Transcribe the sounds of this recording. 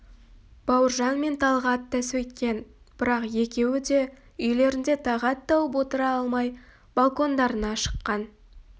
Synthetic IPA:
b̥ɑwəɾʒɑnme̞nt̪ʰɑlˠʁɑt̪ʰːæswɵjt̪kʲe̞n | b̥ɪɾɑqje̞kʲe̞wɪd̪e̞ | ʏjle̞ɾɪnd̪e̞t̪ʰɑʁɑt̪ːɑwəp̬wo̞t̪əɾɑɑlˠmɑj | b̥alˠko̞nd̪ɑɾənɑʃə̥qːɑn

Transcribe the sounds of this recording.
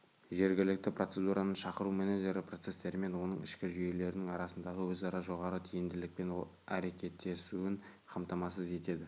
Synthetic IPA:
ʒe̞ɾɡʲɪlɪk̚t̪ɪpro̞t̪sed̪uɾɑnəʃɑqəɾumeneʒe̞ɾɪpʰro̞t̪se̞st̪e̞ɾɪme̞nwo̞nəɴɪ̰ʃkʲɪʒʏje̞le̞ɾɪnɪŋɑɾɑsənd̪ɑʁəwɵzɑɾɑʒo̞ʁɑɾət̪ʰijɪmd̪ɪlɪk̚pe̞nwo̰lˠæɾe̞kʲe̞t̪ːe̞suɪɴ | qʰɑmt̪ɑmɑsəze̞t̪e̞d̪ɪ

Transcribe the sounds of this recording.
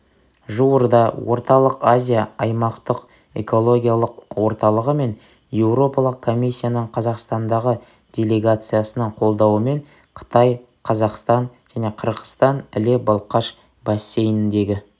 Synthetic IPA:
ʒuwəɾd̪ɑwo̞̰ɾt̪ɑlˠəqazʲijaɑjmɑqt̪əq | e̞̰ko̞lˠo̞ɡʲijalˠəqwo̞ɾt̪ɑlˠəʁəme̞n | je̞wɾo̞pɑlˠəq̚kʰːo̞misʲːijanəɴqʰɑzɑqst̪ɑnd̪ɑʁə | d̥ʲe̞lʲe̞ɡat̪sɨjasənəɴqʰo̞lˠd̪ɑwəme̞ɴ | qʰə̥t̪ɑj | qʰɑzɑqst̪ɑnʒ̥æne̞qʰəɾʁə̥st̪ɑnɪ̰lebɑlˠqɑʃ | bɑsʲːe̞jɪnɪnd̪e̞ɡʲɪ

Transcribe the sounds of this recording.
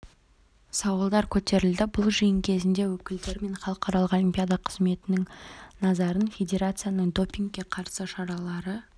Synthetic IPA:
sɑwəlˠd̪ɑɾkʲʰɵt̪e̞ɾɪld̪ɪbʊlˠʒijəŋkʲʰe̞zɪnd̪e̞wɵkʲɪld̪e̞ɾme̞ɴχɑlˠəqɑɾɑlˠəqolʲimpʲijad̪ɑqʰəzme̞t̪ɪnɪŋnɑzɑɾənfʲe̞d̪ʲe̞ɾat̪sɨjanəɴd̪o̞pʲiŋkkʲːe̞qʰɑɾsəʃɑɾɑlˠɑɾə

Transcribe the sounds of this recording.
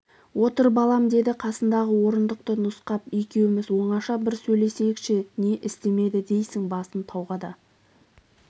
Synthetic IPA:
wo̞t̪əɾbɑlˠɑmd̪e̞d̪ɪqʰɑsənd̪ɑʁəwo̞ɾənd̪əq̚t̪ənʊsqɑpekʲe̞wɪmɪzwo̞ɴɑʃɑbɪɾsɵjle̞se̞kʃɪne̞ʔɪst̪e̞me̞d̪ɪd̪e̞jsɪŋbɑsənt̪ʰɑwʁɑd̪ɑ

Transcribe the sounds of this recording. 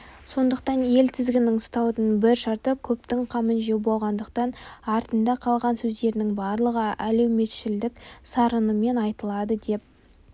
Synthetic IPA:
so̞nd̪əq̚t̪ɑnje̞lt̪ʰɪzɡʲɪnɪŋʊst̪ɑwd̪ənbɪɾʃɑɾt̪əkʲʰɵp̚t̪ɪŋqʰɑmənʒewbo̞lˠʁɑnd̪əqt̪ɑnɑɾt̪ənd̪ɑqʰɑlˠʁɑnsɵzd̪e̞ɾɪnɪŋbɑɾlˠəʁəæle̞wme̞t̪ʃɪld̪ɪksɑɾənəme̞nɑjt̪əlˠɑd̪əd̪e̞p̚

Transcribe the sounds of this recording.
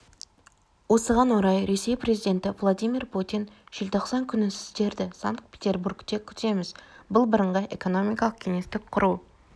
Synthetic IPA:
wo̞səʁɑnwoɾɑjɾe̞se̞jpɾezijd̪e̞nt̪ɪvlˠod̪ijmirpʰut̪ijnʒ̥ɪlt̪ʰo̞qsɑŋkʲʰʏnɪsɪ̥st̪e̞ɾd̪ɪsaŋkt̪̚pʰʲet̪ʲe̞rburkt̪e̞kʲʰʏ̥t̪e̞mɪzbʊlˠbəɾəɴʁɑʔe̞̰ko̞no̞mijkɑlˠəq̚kʲʰe̞ŋe̞st̪ɪk̚qʰʊɾuw

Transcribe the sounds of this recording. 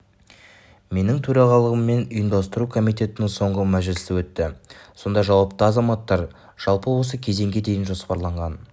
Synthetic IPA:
me̞nɪŋt̪ʰɵɾɑʁɑlˠəʁəmːe̞nʊjəmd̪ɑst̪əɾukʰo̞mijt̪e̞t̪ɪnɪŋso̞ɴʁəmæʒlɪsɪwɵt̪ːɪso̞nd̪ɑʒɑwɑpt̪əɑzɑmɑt̪ːɑɾ | ʒ̥ɑlˠpəwo̞s̬əkʲʰe̞ze̞ŋɡʲe̞d̪e̞jɪnʒo̞spɑɾlˠɑɴʁɑn

